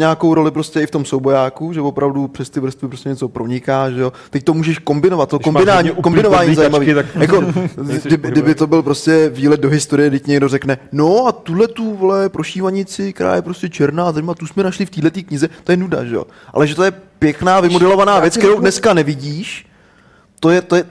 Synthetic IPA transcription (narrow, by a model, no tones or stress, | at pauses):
ɲaːko̞wɾo̞lɪpɾo̞scɛɪft̪o̞msowbo̞jaːkuʒɛvo̞pɾavdupr̝̥ɛst̪ɪvr̩st̪vɪpɾoscɛɲɛt͡so̞pɾo̞ɲɪkaːʒɛjo̞t̪ɛc̚t̪o̞muːʒɛʃko̞mbɪnovat̪̚t̪ːokombɪnaɲikombɪnovaːɲizaiːmaviːajakodɪbɪdɪbɪt̪o̞bɪlpɾo̞scɛviːlɛd̪̚do̞ɦɪst̪o̞ɾɪjɛdɪcɲɛɡdo̞rɛknɛno̞at̪udlɛt̪uvlɛpɾo̞ʃiːvaɲɪt͡sɪkt̪ɛɾa̰ːjɛpɾo̞scɛt͡ʃɛɾnazajmaat̪usmɛnaʃlɪft̪iːlɛt̪iːkɲɪzɛt̪o̞jɛnuda̰ʒɛjo̰ | ʔa̰lɛʒɛt̪ojɛpjɛknaːvɪmodɛlo̞vanaːvjɛt͡skktɛɾowdnɛskanɛvɪɟiːʃ | t̪ojɛt̪ojɛ